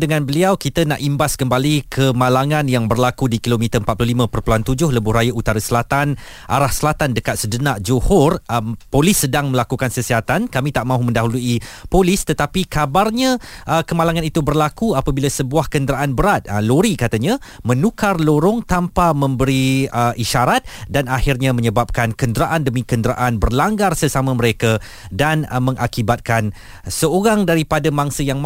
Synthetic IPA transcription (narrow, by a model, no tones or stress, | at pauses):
dəŋãnbəliawkit̪ana̰ʔimbaskəmbalikʰəmalaŋãnjaŋbərlakudikilomĩt̪əəmpat̪̚plohlimãpərpuluant̪ud͡ʒʊhləbʊɦɾajaut̪aɾasəlat̪an | ʔa̰ɾahsəlat̪andəkat̪̚sədənaʔd͡ʒohɔrəpolɪsːədaŋmə̃lakukansəsiɦat̪ankamĩt̪aʔmãɦumə̃ndaɦuluipolist̪ət̪apikabarɲãʔəkəmalaŋanit̪ubərlakuapabilasəbuahkəndəɾaʔanbəɾat̪̚əloɾikat̪aɲãmə̃nukarloɾʊŋt̪ampamə̃mbəɾiəʔiʃaɾat̪̚danahirɲamə̃ɲəbap̚kankəndəɾaʔandəmĩkəndɾa̰ʔanbərlaŋɡarsəsamãmə̃ɾeka | danmə̃ŋʔakibat̪̚kan | səoɾaŋdaɾipadamaŋsəjaŋ